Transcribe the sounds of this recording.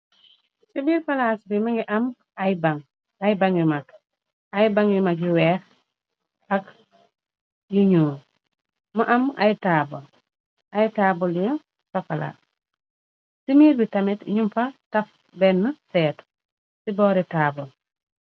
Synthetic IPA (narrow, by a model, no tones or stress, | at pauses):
sibiːɾfɐlaːsbimɐŋɡiʔɐm | ɐjbaŋ | ajbaŋjumak | ajbaŋjumakjuwɛːx | ɐk | juɲuː | mɐʔɐma̰jitaːbol | ajtaːbuljɔ | sɐfɐla̰s | simiːɾbitɐmitɲumfɐtɐf | bɛnːəsɛːt | sibɔːɾitaːbol